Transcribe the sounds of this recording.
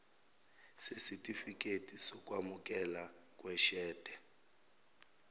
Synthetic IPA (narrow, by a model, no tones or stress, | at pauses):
sesitʼifik̬ʼetʰʼisɔk̬ʼwamuk̬ʼɛla | k̬ʼwɛʃɛːd̥ʱʼɛ